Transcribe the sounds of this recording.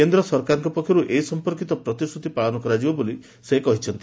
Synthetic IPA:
end̪ɾɔsɔɾkaɾɔŋkɔpɔkʰːjɔɾuʔeɦisɔmpɔɾkit̪ɔpɾɔt̪isut̪ipaɭɔnɔkɔɾad͡ʒibɔboli | sekɔɦit͡ʃʰɔnt̪i

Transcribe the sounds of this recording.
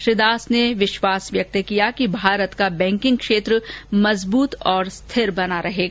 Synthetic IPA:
ʃɾɪd̪aːsneʋɪʃwaːsʋjɐk̚t̪kijakibʱaːɾət̪kabɛ̃ːŋkɪ̃ŋɡ̚kʃeːt̪ɾəmɐzbuːt̪ɔːɾst̪ʰɪɾbɐnaɾɐɦeːɡa

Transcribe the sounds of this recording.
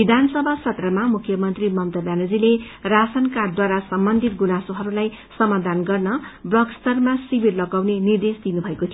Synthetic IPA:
bid̪ʱansʌbʱasʌt̪rʌmamukʰːjʌmʌnt̪rimʌmt̪ʌbjanod͡zile | rasʌnkard̪waɾasʌmbʌnd̪ʱit̪̚ɡunasoɦʌɾulaj | sʌmad̪ʱanɡʌrnʌbrʌkst̪ʌrmasibirlʌɡawnenird̪esd̪inubʱʌekot̪ʰijo

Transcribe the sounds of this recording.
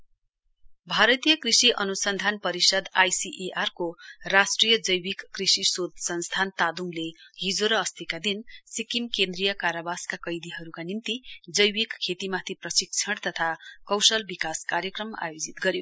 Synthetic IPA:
bʱaɾʌt̪ijʌkrisiʔʌnusʌnd̪ʱanpʌɾisʌd̪ajsiʔeʔarkorasʈrijʌd͡zʌjwikːrisisod̪sʌnst̪ʰant̪ad̪uŋleɦid͡zoɾʌːst̪ʰikad̪insikimkend̪rijʌkaɾabaskakʌjd̪iɦʌɾukanint̪id͡zʌjwikkʰːet̪imat̪ʰiprʌsik̚t͡sʰʌɽt̪ʌt̪ʰakʌwsʌlbikaskaɾjʌkrʌma̰jod͡zit̪ɡʌɾjo

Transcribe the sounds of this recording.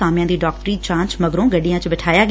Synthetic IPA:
aːmjãːd̪iːɖɔːk̚ʈɾiːt͡ʃãːnt͡ʃməɡɾõːɡəɖijãːt͡ʃəbəʈʰaːjaːɡ

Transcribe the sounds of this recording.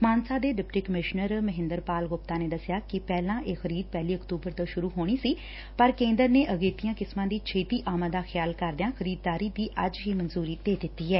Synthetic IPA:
maːnsaːd̪eːɖɪpʈiːkəmɪʃnəɾməɦɪ̃nd̪əɾpaːlɡʊp̚t̪aːneːd̪əsɪjaːkɪpɛːlãːʔeːxəɾiːd̪̚pɛːliːəkt̪uːbəɾt̪oːʃʊɾuːɦoːɽ̃iːsiː | pəɾkẽːnd̪əɾneːʔəɡeːt̪ɪjãːkɪsmãːd̪iːt͡ʃʰeːt̪iːʔaːmãːd̪aːxʰɪjaːlkəɾd̪ɪjãːxʰəɾiːd̪̚ːaːɾiːd̪iːʔəd͡ʒɦiːmənzuːɾiːd̪eːd̪ɪt̪ːiːɛː

